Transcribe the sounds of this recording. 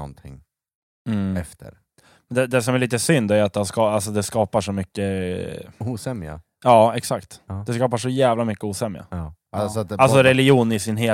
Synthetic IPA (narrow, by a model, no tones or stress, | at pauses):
ɔ̰nt̪ʰɪ̰ŋː | m̩ɛft̪ʰə̰ɾ | mɛnd̪ɛd̪ɛsɔmæɾɭiːt̪əsʏnd̪æɾjʉat̪̚d̪ɛaskɑals̬ɔd̪ɛskɑːpaʂɔmʏkːə | uːsɛmja̰ | ɑːɛksakt̪d̪ɛskɑːpaʂɔjæːvlamʏkːəuːsɛmja̰ | asɔat̪als̬ɔɾɛlɪjuːnɪsɪnɦeː